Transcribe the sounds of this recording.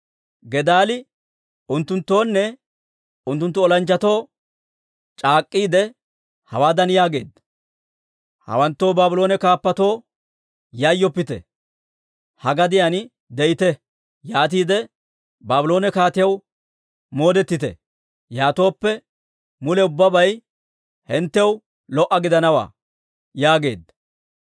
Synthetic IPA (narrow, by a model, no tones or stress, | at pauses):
ɡɛd̪aːlɪ | ʊnt̪ːʊnt̪ːo̞ːnːɛ | ʊnt̪ːʊnt̪ːʊɔlɐnt͡ʃːɐt̪o̞ː | t͡ʃʼaːkʼːiːd̪ɛ | hɐwaːd̪ɐnɪjaːɡe̞ːd̪ɐ | hɐ̰wɐnt̪ːo̞ːbaːbɪlo̞ːnɛkaːpːɐt̪o̞ː | jɐjːɔpːɪt̪ɛ̰ | hɐɡɐd̪ɪjan | d̪ɛjɪt̪ɛ | jaːt̪̬iːd̪ɛ | baːbɪlo̞ːnɛkaːt̪ɪjɐw | mo̞ːd̪ɛt̪ːɪt̪ɛ̰ | jaːt̪o̞ːpːɛ | mʊlɛʊbːɐbɐj | hɛnt̪ːɛw | lɔʔɐɡɪd̪ɐnɐwa̰ː | jaːɡe̞̰ːd̪ɐ